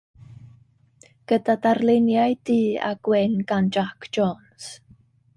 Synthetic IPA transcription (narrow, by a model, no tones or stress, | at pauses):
ɡ̥ədadarlɪnjajd̥iːa̰ɡ̥wɛnɡand͡ʒakʰd͡ʒ̥oːns